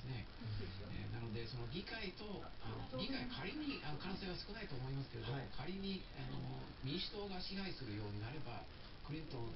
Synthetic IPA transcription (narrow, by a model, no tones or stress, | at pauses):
sɨne | ḛnano̞d̪e̞so̞no̞ɡʲikait̪o̞ | ano̰ɡʲikaikʰaɾʲiɲ̟iano̞kãse̞ːβasɨ̥kɯ̟nait̪o̞ːmo̞imasɨ̥ke̞d̪okʰaɾʲiɲ̟i | ano̞̰ | mʲĩɕi̥t̪o̞ːɡaɕiɦaisɨɾɯ̟jo̞ːɲ̟inaɾe̞ba̰ | kɯ̟ɾʲĩnt̪õ̞